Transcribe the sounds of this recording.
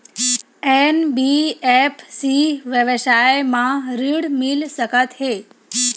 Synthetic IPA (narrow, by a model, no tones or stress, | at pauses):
enbiepʰsiʋjəʋʃajmãɾiɽmilsəkət̪ɦe